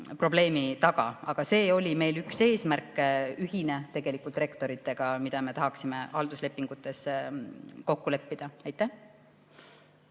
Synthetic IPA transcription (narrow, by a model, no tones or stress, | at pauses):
pro̞ble̞ːmit̪ɑɡ̥ɑ̰ɑɡ̥ɑse̞ːo̞lʲime̞jlykse̞ːsmærkːyɦine̞t̪e̞ɡ̥e̞likult̪re̞kt̪o̞ɾit̪ˑːe̞ɡ̥ɑmid̪̥ɑme̞t̪ɑɦɑksime̞ɑld̪̥usle̞pːiŋɡ̥ut̪ːˑe̞s | ko̞kːule̞pːid̪̥ɑɑjt̪ːˑæh